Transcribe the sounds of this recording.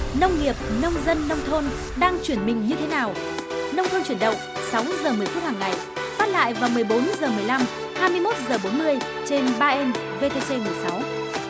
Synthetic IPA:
nə˧wŋ͡mŋi˨˩əp̚nə˧wŋ͡mzə˧nːə˧wŋ͡mt̪ʰo˧n | ɗaː˧ŋt͡ɕwi˧˩ənmï˨˩ŋ̟ɲɨ˧t̪ʰe˨˦naː˨˩w | nə˧wŋ͡mt̪ʰo˧nt͡ɕwi˧˩ənɗə̰˧˨ŋ͡m | sa˨˦wzəː˨˩mɨ˨˩əjt̪ʰt̚haː˨˩ŋːa˨˩j | faː˦˥t̚la̰ː˧˨jvaː˨˩wmɨ˨˩əjɓo˨˦nzəː˨˩mɨ˨˩əjla˧m | haː˧jmɨ˧əjmo˦˥t̚zəː˨˩ɓo˨˦nmɨ˧əj | t͡ɕe˧nɓaː˧ʔɛ˧n | ve˧t̪e˧se˧mɨ˨˩əjsa˨˦w

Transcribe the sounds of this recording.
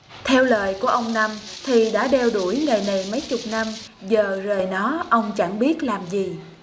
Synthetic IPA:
t̪ʰɛ˧wləː˨˩jku˧˩əʔə˧wŋ͡mna˧mt̪ʰi˨˩ɗa̰ː˧˥ɗɛ˧wɗu˧˩jŋa˨˩jna˨˩jmə˨˦jt͡ɕʊ˨˩k͡p̚na˧mzəː˨˩zəː˨˩jnɔ˨˦ʔə˧wŋ͡mt͡ɕa˧˩ŋɓi˦˥ət̚laː˨˩mzi˨˩

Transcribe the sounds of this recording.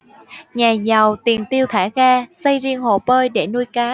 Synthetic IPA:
ɲaː˨˩za˨˩wt̪i˨˩əŋt̪i˧əwt̪ʰaː˧˩ɣaː˧sə˧jzi˧əŋho̰˧˨˩pəː˧jɗe˧˩nu˧jkaː˨˦

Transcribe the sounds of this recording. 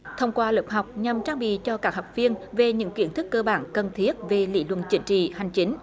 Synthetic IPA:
t̪ʰə˧wŋ͡mkwaː˧ləː˨˩p̚ɦa˨˩k͡p̚ɲa˨˩mt͡ɕaː˧ŋɓḭ˧˨t͡ɕɔ˧kaː˦˥k̚ɦɔ˨˩wk͡p̚vi˧ənve˨˩ɲɨ̰˧˥ŋkwi˧˩ənt̪ʰɨ˦˥kːəː˧ɓaː˧˩nkə˨˩nt̪ʰi˦˥ət̚ve˨˩lḭ˧˥lwə̰˧˨nt͡ɕï˨˦ŋ̟t͡ɕḭ˧˨ha˨˩jŋ̟t͡ɕï˨˦ŋ̟

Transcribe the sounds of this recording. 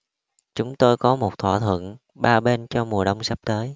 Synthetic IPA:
t͡ɕʊ˨˦ŋ͡mt̪o˧jkɔ˨˦mo˨˩t̚t̪ʰwa̰ː˧˨t̪ʰwə̰˧˨n | ɓaː˧ɓe˧nt͡ɕɔ˧mu˨˩əɗə˧wŋ͡msa˦˥p̚t̪əː˨˦j

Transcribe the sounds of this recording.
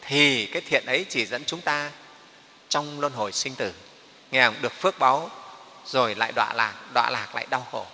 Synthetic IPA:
t̪ʰi˨˩kaː˨˦jt̪ʰḭ˧˨ənʔə˨˦jt͡ɕi˧˩zə̰˧˥nt͡ɕʊ˨˦ŋ͡mt̪aː˧ | t͡ɕɔ˧wŋ͡mlwə˧nɦo˧˩jsï˧ŋ̟t̪ɨ˧˩ | ŋɛ˨˧˩hŋ͡mɗɨ˨˩ək̚fɨ˦˥ək̚ɓa˨˦w | zo˨˩jla̰ː˧˨jɗwa̰ː˧˨laː˨˩k̚ɗwa̰ː˧˨laː˨˩k̚la̰ː˧˨jɗa˧wxo˧˩

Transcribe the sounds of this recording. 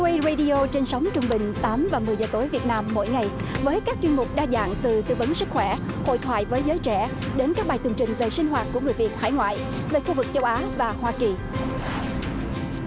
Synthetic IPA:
wə˧ze˧ɗi˧o˧t͡ɕe˧nsa˨˦wŋ͡mt͡ɕʊ˧ŋ͡mɓï˨˩ŋ̟t̪aː˨˦mvaː˨˩mɨ˨˩əjzəː˨˩t̪o˨˦jvi˨˩ət̚naː˧mːo̰˧˥˨jŋa˨˩jvəː˨˦jkaː˦˥k̚t͡ɕwi˧ənmʊ˨˩k͡p̚ɗaː˧za̰ː˧˨ŋt̪ɨ˨˩t̪ɨ̰˧˨və˨˦nsɨ˦˥k̚xwɛ˧˩ho̰˧˨jt̪ʰwaː˧˨jvəː˨˦jzəː˨˦jt͡ɕɛ˧˩ | ɗe˨˦nkaː˦˥k̚ɓaː˨˩jt̪ɨ˨˩ŋt͡ɕï˨˩ŋ̟ve˨˩sï˧ŋ̟ɦwaː˨˩t̚ku˧˩əŋɨ˨˩əjvi˨˩ət̚ha̰˧˩jŋwa̰ː˧˨j | ve˨˩xu˧vɨ˨˩k̚t͡ɕə˧wʔaː˨˦vaː˨˩hwaː˧ki˨˩

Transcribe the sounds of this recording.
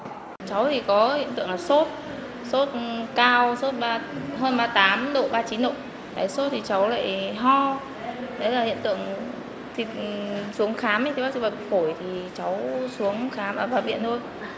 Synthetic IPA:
t͡ɕa˨˦wt̪ʰi˨˩kɔ˨˦hḭ˧˨ənt̪ɨ̰˧˨əŋlaː˨˩so˦˥t̚ | so˦˥t̚kaː˧wso˦˥t̚ɓaː˧ɦəː˧nɓaː˧t̪aː˨˦mɗo̰˧˨ɓaː˧t͡ɕi˨˦nɗo̰˧˨ | ɗa̰ː˧˩jso˦˥t̚t̪ʰi˨˩t͡ɕa˨˦wla̰ː˧˨jɦɔ˧ | ɗə˨˦jlaː˨˩hḭ˧˨ənt̪ɨ̰˧˨əŋ | t̪ʰi˨˩t̚su˨˦əŋxaː˨˦m˨˦jt̪ʰɓa˦˥si˧˩va˨˩˨xo˧˩jt̪ʰi˨˩t͡ɕa˨˦wsu˨˦əŋxaː˨˦mʔaəː˧˩vaː˧˩vḭ˧˨ənt̪ʰo˧j

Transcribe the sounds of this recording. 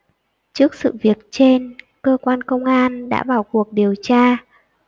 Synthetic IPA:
t͡ɕɨ˦˥ək̚sɨ̰˧˨vi˨˩ət̚t͡ɕe˧n | kəː˧kwaː˧nkə˧wŋ͡mʔaː˧nɗa̰ː˧˥ɓaː˨˩wku˨˩ək̚ɗi˨˩əwt͡ɕaː˧

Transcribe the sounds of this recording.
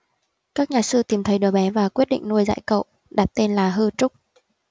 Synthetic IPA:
kaː˦˥k̚ɲaː˨˩sɨ˧t̪i˨˩mt̪ʰə˨˦jɗɨə˨˩ɓɛ˨˦vaː˨˩kwi˦˥ət̚ɗḭ˧˨ŋ̟nu˧əjza̰ː˧˨jkə̰˧˨w | ɗa˨˩t̚t̪e˧nlaː˨˩ɦɨ˧t͡ɕʊ˦˥k͡p̚

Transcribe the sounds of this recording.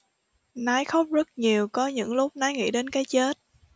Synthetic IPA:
naː˨˦jxə˦˥wk͡p̚zə˦˥t̚ɲi˨˩əwkɔ˨˦ɲɨ̰˧˥ŋlʊ˦˥p̚naː˨˧˦jŋḭ˧˥ɗe˨˦nkaː˨˦jt͡ɕe˦˥t̚

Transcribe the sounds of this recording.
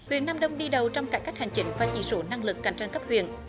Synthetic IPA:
hwḭ˨ənːaː˧mɗə˧wŋ͡mɗi˧ɗə˨˩wt͡ɕɔ˧wŋ͡mkaː˨˧˥jkːa˦˥jk̚ha˨˩ŋ̟t͡ɕï˨˦ŋ̟vaː˨˩t͡ɕḭ˧˩so˧˨˦na˧ŋlɨ˨˩k̚ːa˨˩jŋ̟t͡ɕa˧nkə˦˥p̚hwḭ˧˨ən

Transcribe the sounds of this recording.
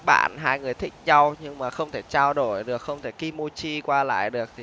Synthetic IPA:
ɓa̰ː˧˨nɦaː˧jŋɨ˨˩əjt̪ʰï˦˥k̟̚za˧wɲɨ˧ŋmaː˨˩xə˧wŋ͡mt̪ʰe˧˩t͡ɕaː˧wɗo˧˩jɗɨ˨˩ək̚xə˧wŋ͡mt̪ʰe˧˩ki˧mo˧t͡ɕi˧kwaː˧la̰ː˧˨jɗɨ˨˩ək̚t̪ʰi˨˩

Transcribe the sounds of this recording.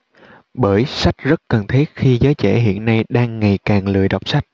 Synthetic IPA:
ɓəː˧˩jsa˦˥jk̚zə˦˥t̚kə˨˩nt̪ʰi˦˥t̚xi˧zəː˨˦jt͡ɕɛ̰˧˩ɦḭ˧˨ənːa˧jɗaː˧ŋːa˨˩jkaː˨˩ŋlɨ̰˧˨əjɗa˨˩wk͡p̚sa˦˥jt̚

